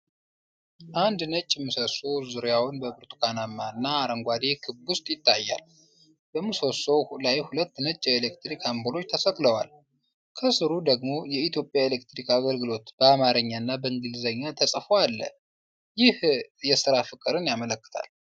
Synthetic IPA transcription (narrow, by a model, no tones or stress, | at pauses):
ʔand̪nət͡ʃʼːɪmːɨsosowzɨɾjawnbəbɨɾt̪ʼu̥kʰanamːaɨnːaːɾəŋɡʷad̪ekʰɨbbʊst̪ʼjɪt̪ʰːajːa̰l | b̥əmɨsosowlajhulət̪ːnət͡ʃʼːelekt̪ɾikʰambɨlo̞t͡ʃːt̪ʰəsəkʼləwa̰l | kʰəsɨɾud̪əɡmo̞jɛit̪ʰjo̞pʼjaelek̚t̪ɾikaɡəlɡɨlo̞t̪b̥əamaɾəɲːaɨnːabəɨŋɡɨlzəɲːat̪ʰəsʼfoalːə̰ | jɪhjɛsɨɾafɨkʼːɨɾɨnjamələkːɨ̥t̪ʰa̰l